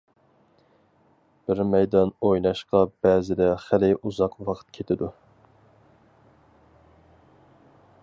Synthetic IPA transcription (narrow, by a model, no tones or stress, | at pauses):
b̥ɪɾmɛjd̪ɑnojnɑʃqɑbɛːzɪd̪ɛχælɪʔuzɑqwɑqʰt̪̚kʲʰet̪ʰɪd̪u